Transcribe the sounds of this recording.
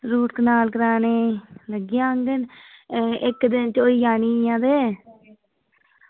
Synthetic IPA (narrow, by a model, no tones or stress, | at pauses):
ɾuːʈkənaːlkəɾaːneːləɡjãːəŋɡən | ɪkd̪ɪnt͡ʃoːijaːniːjãːd̪eː